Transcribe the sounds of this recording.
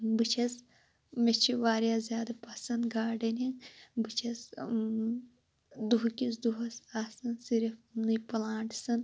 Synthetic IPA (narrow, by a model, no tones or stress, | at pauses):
bɨt͡ʃʰɐs | met͡ʃʰiʋaːɾijaːzjaːd̪ɐpɐsɐnɡaːɖɐniŋbɨt͡ʃʰɐs | d̪uɦkʲis̬d̪uɦɐsaːsɐnsiɾifnɨpɐlaːɳʈsɐn